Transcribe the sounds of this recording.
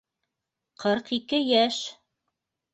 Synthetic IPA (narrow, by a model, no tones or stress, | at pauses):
qʰɤɾqikɘjæʃ